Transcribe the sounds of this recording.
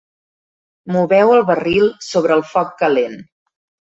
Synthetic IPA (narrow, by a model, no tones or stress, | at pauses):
muβɛwəlˠβərilˠsoβ̞ɾəːlˠfɔkːəlen